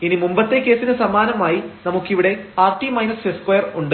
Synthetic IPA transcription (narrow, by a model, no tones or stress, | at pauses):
inimumbɐt̪ːe̞ke̞ːsinɨsɐmaːnɐmaːjinɐmukːiʋiɽe̞aːrʈːimɐjnɐseskwɐjɐruɳɖɨ